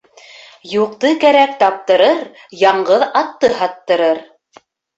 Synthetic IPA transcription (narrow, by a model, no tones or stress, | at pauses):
juq̚t̪ɤkæɾæk̚t̪ɑp̚t̪ɤ̆ɾɤɾ | jɑɴɢɤðɑt̪ːɤɦɑt̪ːɤ̆ɾɤɾ